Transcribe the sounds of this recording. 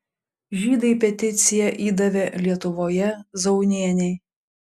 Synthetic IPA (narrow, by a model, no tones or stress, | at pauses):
ʒʲiːd̪ɐɪpʲɛt̪ʲɪt̪sʲɪjɛʔiːd̪ɐʋʲɛlʲiɛt̪ʊʋoːjɛzɒʊnʲiɛnʲɛɪ